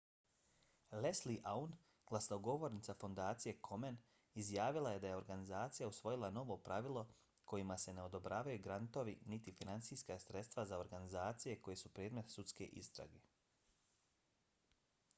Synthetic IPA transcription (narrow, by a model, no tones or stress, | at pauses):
lesliʔaun | ɡ̥lˠasnoɡo̞ʋo̞ɾnit̪safo̞nd̪aːt̪sije̞kʰo̞men | izjaːʋilˠaje̞d̪ajeo̞ɾɡanizaːt̪sijausʋo̞jilˠano̞ʋo̞pɾaʋilˠo̞ | kʰo̞jimase̞ne̞o̞d̪o̞bɾaːʋajuɡɾant̪o̞ʋinit̪ifinant̪sijskasɾet̪st̪ʋazao̞ɾɡanizaːt̪sije̞ko̞je̞supɾeːd̪me̞t̪sut̪ske̞̰ʔḭst̪ɾa̰ɡe